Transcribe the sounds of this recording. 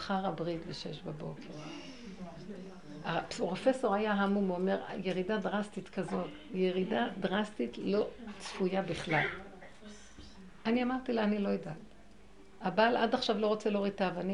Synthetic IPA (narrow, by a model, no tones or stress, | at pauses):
aχaʁabʁitbeʃeʃbabo̞kʰeʁ | aʁo̞fe̞so̞ʁajaɦamumeome̞ʁ̰je̞ʁidadʁastit̪kazo̞t | jeʁidadʁastitlo̞t͡sfujabiχlal | aniamaʁt̪ileanilo̞jedal | abalʔadaχʃavlo̞ʁot͡seloʁit̪avani